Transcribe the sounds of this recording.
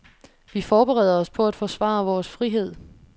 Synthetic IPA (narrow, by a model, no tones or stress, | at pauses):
ʋifɒːb̥eʁɛ̰ð̰ˠɐɒ̽spʰɒ̽æd̥fɒsʋɑ̰̈ʋɒːsfʁiɦe̝ð̞̰ˠ